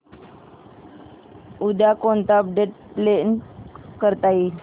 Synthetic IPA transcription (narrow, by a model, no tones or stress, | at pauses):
ud̪akont̪ap̚ɖeʈ̚plenkəɾt̪ai